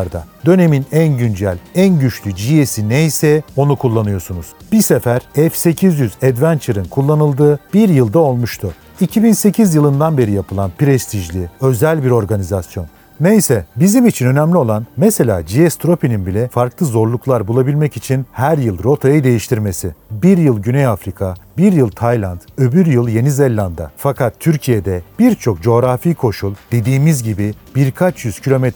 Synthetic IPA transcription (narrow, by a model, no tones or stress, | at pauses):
ɾd̪a̰d̪ø̞ne̞minænɟynd͡ʒælʲænɟyt͡ʃlʲyd͡ʒijesinejsɛo̞nukʰulˠːanɯjo̞sunuz̥b̥isefæɾɛfse̞cʰizjyzɛd̪vænt͡ʃʰɯɾɯnkʰulˠːanɯlˠd̪ɯːb̥iɾjɯlˠd̪ao̞lˠmuʃt̪ʰʊ | icʰibinse̞cʰizjɯlˠɯnd̪anbe̞ɾijapʰɯlˠanpɾɛst̪ʰiʒlʲiø̞zælʲbiɾo̞ɾɡanizasjo̞̰nː | ejsɛbizimit͡ʃʰinø̞næmlʲio̞lˠanmɛse̞lʲaːd͡ʒiɛst̪ʰɾo̞pininbilʲɛfaɾklˠɯzo̞ɾlˠuklˠaɾbulˠabilʲmɛcit͡ʃʰinhæɾjɯlˠɾo̞t̪ʰajɯd̪e̞jiʃt̪ʰiɾme̞sibiɾjɯlˠɟynejafɾikʰabiɾjɯlˠt̪ʰajlʲˠand̪øbyɾjɯlˠje̞nizelʲːˠand̪a̰fakʰat̪ʰːyɾcʰijed̪ɛb̥iɾt͡ʃʰo̞k̚d͡ʒo̞ːɾafiːkʰo̞ʃulˠd̪̥e̞d̪iːmizɟibi | b̥iɾkʰat͡ʃʰjyz̥cʰilʲo̞mɛt̪